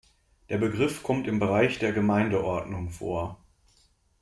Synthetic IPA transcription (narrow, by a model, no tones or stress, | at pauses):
d̥eːɐbəɡʁɪfkʰɔmtɪmbəʁaɪçd̥eːɐɡəmaɪndəʔɔɐdnʊŋfo̰ːɐ